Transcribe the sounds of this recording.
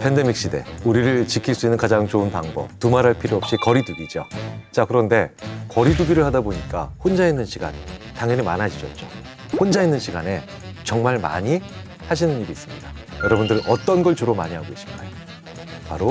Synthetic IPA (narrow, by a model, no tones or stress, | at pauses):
pʰe̞nde̞mik̚ɕ͈ide̞̰uɾiɾɯɭt͡ɕikʰiɭs͈uinːɯnkad͡ʑaŋt͡ɕounpaŋbʌ̰p̚tumaɾɦaɭpʰiɾjoɦʌp̚ɕ͈ikʌɾiduɡid͡ʑo̰t͡ɕ͈akɯɾʌnde̞kʌɾiduɡiɾɯɭhadaboɲik͈a̰hond͡ʑainːɯnɕʰiɡa̰ntaŋɦʌnimanɦad͡ʑid͡ʑʌ̰tt͡ɕ͈o | hond͡ʑainːɯnɕʰiɡane̞ | t͡ɕʌŋmaɭma̰ɲi | haɕʰinɯniɾiːs͈ɯmɲida | jʌɾʌbundɯɾʌt͈ʌnɡʌɭt͡ɕoɾoma̰ɲiɦaɡois͈i̥ɡajo | paɾo